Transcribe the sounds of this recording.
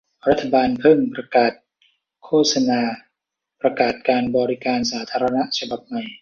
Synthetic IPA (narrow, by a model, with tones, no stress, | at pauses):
ɾa˦˥t̪ʰːa˧baː˧npʰɤ˥˩ŋpɾa˧kaː˨˩t̪̚ | kʰoː˥˩t̪̚sa˧naː˧ | pɾa˧kaː˨˩t̪̚kaː˧nbɔː˧ɾi˦˥kaː˧nsaː˩˦t̪ʰaː˧ɾa˧na˦˥ʔt͡ɕʰa˧ba˨˩p̚ma˨˩j